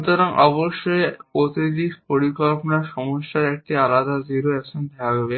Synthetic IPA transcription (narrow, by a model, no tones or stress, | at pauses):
ut̪oɾaŋʔɔboʃːojkot̪id̪ikpoɾikolponaɾʃɔmoʃːaɾɛk̚ʈialad̪aziɾoɛksond̪ɛaɡɔbe